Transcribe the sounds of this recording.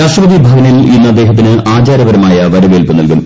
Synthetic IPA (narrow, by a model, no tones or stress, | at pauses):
aːʂʈrɐbɐd̪ibʱaːɡɐnilinːɐd̪ːe̞ːɦɐt̪̬ːinɨʔaːd͡ʑaːɾɐʋɐɾɐmaːjɐʋɐɾɐʋeːlpɨnːilkum